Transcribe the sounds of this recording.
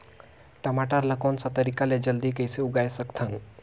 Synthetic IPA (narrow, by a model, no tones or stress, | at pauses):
ʈəmaʈəɾləkonsət̪əɾikaled͡ʒəld̪ikəjseuɡajsəkt̪ʰən